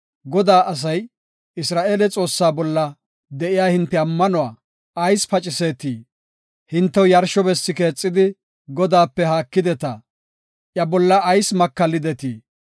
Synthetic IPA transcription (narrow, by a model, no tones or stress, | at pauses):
ɡɔd̪aːʔɐs̬ɐj | ɪsɾaːʔeːlɛt͡sʼo̞ːsːaːbɔlːɐ | d̪ɛʔɪjaːhɪnt̪ːɛɐmːɐnʊwaː | ɐjspɐt͡ʃʼɪse̞ːt̪iː | hɪnt̪ːɛwjɐɾʃɔbɛsːɪke̞ːt͡sʼːɪd̪ɪ | ɡɔd̪aːpːɛɦaːkːɪd̪ɛt̪ɐ | ʔjɐbɔlːɐʔːjsmɐkːɐlːɪd̪ɛt̪iː